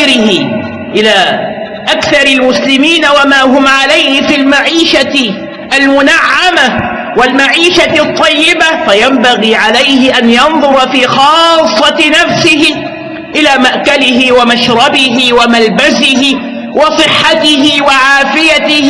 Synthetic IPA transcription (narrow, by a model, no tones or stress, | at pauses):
ɾɪhɪ | ʔɪlaː | ʔakθɑɾˤɪlmʊslɪmiːnawamaːɦʊmʕalajhɪfiːlmaʕiːʃa | ʔalmʊnaʕːama | wɪlmaʕiːʃat̪ˤːɑjːɪbafajambaɣiːʕalajhɪʔanjɑnðˤʊɾˤɑfiːxɑːsˤːɑnafsɪɦɪ | ʔɪlaːmaʔkalɪɦɪwamaʃɾˤɑbɪɦɪwamalbazɪɦɪ | wɑsˤɨħːat̪ɪɦɪwaʕaːfɪjaɪ